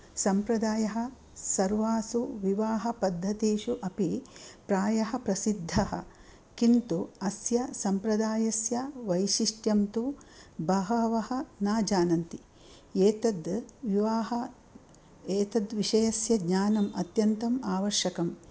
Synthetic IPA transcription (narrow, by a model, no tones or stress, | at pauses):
sɐmpɾɐd̪aːjɐɦɐ̆ | sɐɾʋaːsuʋiʋaːɦɐpɐd̪ʱːɐt̪eːʃuʔɐpipɾaːjɐɦɐpɾɐsid̪ʱːɐhɐ̰ | kint̪uɐsjɐsɐmpɾɐd̪aːjɐsjɐʋɐjʃiʂʈjɐmt̪ubɐɦɐʋɐhɐ̆naːd͡ʒaːnɐnt̪i | eːt̪ɐd̪ʋiʋaːɦɐ | eːt̪ɐd̪ʋiʂɐjɐsjɐɡɲaːnɐmɐt̪jɐnt̪ɐmaːʋɐɾʃjɐkɐm